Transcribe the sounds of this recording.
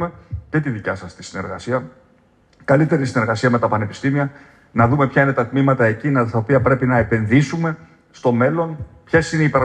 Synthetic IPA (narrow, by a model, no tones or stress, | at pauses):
me̞ce̞t̪iðicɐsɐst̪isine̞̰ɾɣɐsiɐ | kɐlit̪e̞ɾisine̞ɾɣɐsiɐme̞t̪ɐpɐne̞pi̥st̪imiɐ | nɐðume̞pçɐine̞t̪ɐt̪mimɐt̪ɐe̞cinɐt̪ɐopiɐpɾe̞pinɐe̞pe̞nðisume̞ | st̪o̞me̞lo̞npçe̞sineipɾɐ